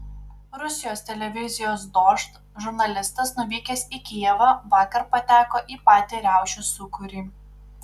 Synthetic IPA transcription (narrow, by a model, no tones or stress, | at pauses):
ɾʊsʲɪjoːst̪ʲɛlʲɛʋʲɪzʲɪjoːs̬d̪oːʃt̪ | ʒʊɾnɐlʲɪst̪ɐsnʊʋʲiːkʲɛsʲiːkʲijɛʋɑʋɑːkɐɾpɐt̪ʲæːkoːʔiːpɑːt̪ʲiɾʲæˑʊʃʲusʊkʊɾʲiː